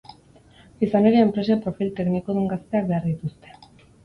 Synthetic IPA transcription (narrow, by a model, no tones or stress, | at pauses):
isaneɾiempɾe̞se̞pɾo̞filt̪e̞knikoðuŋɡast̪e̞ak̚beaɾðit̪ust̪e̞